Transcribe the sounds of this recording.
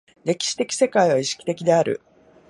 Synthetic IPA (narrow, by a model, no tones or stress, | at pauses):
ɾe̞kʲi̥ɕi̥t̪e̞kʲi̥se̞kaiβ̞aiɕi̥kʲi̥t̪e̞kʲid̪e̞aɾɯ̰